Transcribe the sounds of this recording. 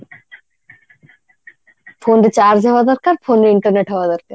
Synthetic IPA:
pʰoːnɖət͡ʃaːɾd͡ʒɦɐʋad̪ɐɾkaːɾpʰoːnɾɪɳʈəɾneʈɦɐʋad̪ɐɾkaɾ

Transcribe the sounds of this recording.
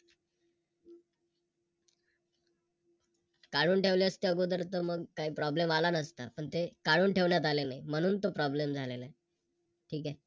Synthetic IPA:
kaɽuːnʈʰeʋleəst̪eəɡod̪əɾt̪əməɡkaɦiːpɾɔblemalanəst̪apəɳt̪ekaɽuːnʈʰeʋɳjat̪̬alenaim̤əɽ̃uːnt̪opɾɔblemd͡zʱalelae | ʈʰiːkɛ

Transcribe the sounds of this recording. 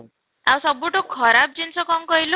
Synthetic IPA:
ãw̃sɔbuʈokʰɔɾab̚d͡ʒinsʰɔkɔŋkɔɦilo

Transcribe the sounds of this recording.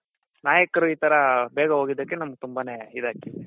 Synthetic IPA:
naːjɐkɐɾuiːt̪ɐɾɐbɛːɡɐɦoːɡid̪ːɐkːenɐmɐɡ̚t̪umbane̞id̪aːkːi

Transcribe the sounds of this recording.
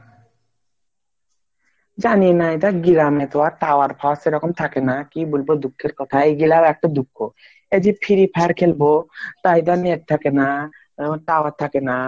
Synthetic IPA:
d͡ʑanienajt̪aɡiɾamet̪oaɾʈaoaɾpʰaseɾɔkomt̪ʰakenakibolbod̪ukʰːeɾkɔt̪ʰaejɡilabɛk̚ʈad̪ukʰːo | ed͡ʒipʰiɾipʰaaɾkʰelbot̪aijt̪̬ɔaneʈ̚t̪ʰakena | ʈawat̪ʰːakena

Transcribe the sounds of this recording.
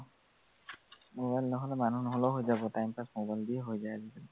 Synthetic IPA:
mobajlnɔɦɔlɛmanunɔɦolɔɦojzabɔtajmpasmobajldiɛɦojzajazibɛl

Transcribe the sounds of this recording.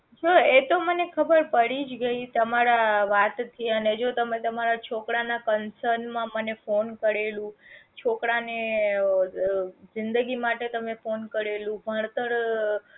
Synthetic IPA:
d͡ʒoet̪omənekʰəbəɾpəɽid͡ʒɡəit̪əmaɾaʋat̪t̪ʰiəned͡ʒot̪əmet̪əmaɾat͡ʃʰokɽanakənsəɾnmãmənefonkəɾelũt͡ʃʰokɽane | zɪnd̪əɡimaʈet̪əmefonkəɾelũbʱəɳt̪əɾ

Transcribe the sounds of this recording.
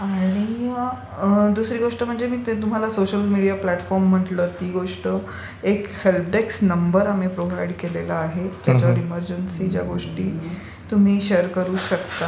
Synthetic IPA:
aɽ̃i | d̪usɾiːɡoʂʈəm̤əɳd͡ʑemiːt̪t̪um̤alasoɕəlmiɽijaplæʈfɔɾmːəʈlət̪iːɡoʂʈə | ekhelp̚ɖeksnəmbəɾamipɾoʋajɽkelelaːɦed͡ʑad͡ʑaʋɾiməɾd͡ʑənsiːd͡ʑja̰ɡoʂʈiː | t̪um̤iːɕeəɾkəɾuːɕəkt̪a

